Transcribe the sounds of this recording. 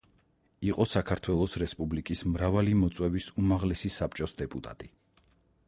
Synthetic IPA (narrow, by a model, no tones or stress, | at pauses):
iqʼɔsakʰaɾt̪ʰwɛlˠɔsɾɛspʼublikʼismɾavalimɔt̪sʼwɛvisumaʁlɛsisap̚ʰt͡ʃʼɔsd̪ɛpʼut̪ʼa̰t̪ʼi